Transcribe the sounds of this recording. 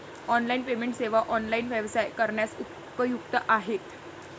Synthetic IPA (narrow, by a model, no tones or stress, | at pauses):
ɔnlainpemeɳʈseʋaʔɔnlainʋjeʋsajkəɾɳjasu | pəjukt̪əʔaɦet̪